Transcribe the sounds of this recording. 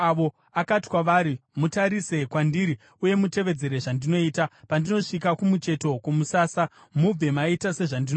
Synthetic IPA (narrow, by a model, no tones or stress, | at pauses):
ʋo | akati̥kwaʋaːɾimutaɾise̞kwandiɾi | uje̞mute̞ʋe̞d͡ze̞ɾe̞ʐandino̞iːtapandino̞ʂik̬akumut͡ʃe̞to̞kumusaːsa | mub͡ve̞maitase̞ʐandino